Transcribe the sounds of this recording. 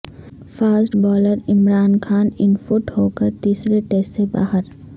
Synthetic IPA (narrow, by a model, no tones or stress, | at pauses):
faːsʈbɔːləɾɪmɾaːnkʰaːnɪnfʊʈhoːkəɾt̪iːsɾeʈeːsʈseba̰ːɦəɾ